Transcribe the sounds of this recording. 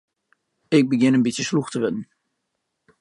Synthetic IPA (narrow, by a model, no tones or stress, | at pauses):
ɪk̚bəɡɪnənbitsjəsluxtəʋɪdn̩